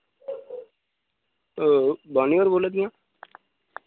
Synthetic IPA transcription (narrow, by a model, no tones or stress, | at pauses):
baːnioːɾboːlad̪ɪjãː